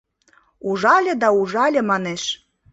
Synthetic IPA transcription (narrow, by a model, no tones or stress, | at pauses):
uʒɑlʲĕd̪ɑuʒɑlʲĕmɑneʃ